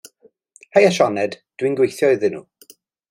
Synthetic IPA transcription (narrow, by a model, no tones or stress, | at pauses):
hejaʃɔnɛdd̥winɡwejθjɔɨðɨnṵ